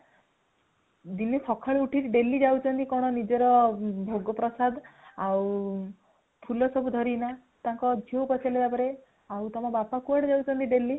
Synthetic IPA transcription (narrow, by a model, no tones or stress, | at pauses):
d̪inipʰɔkʰaɭuʈʰiɾiɖelid͡ʒawt͡ʃʰɔnt̪ikɔɽ̃ɔnid͡ʒɔɾɔbʱoɡɔpɾɔsad̪aw | pʰulɔsɔbud̪ʱɔɾina | t̪ãŋkɔdʱowpɔt͡ʃʰaled̪apɔɾe | awt̪ɔmɔbapakuaɽed͡ʒawt͡ʃʰɔnt̪iɖeli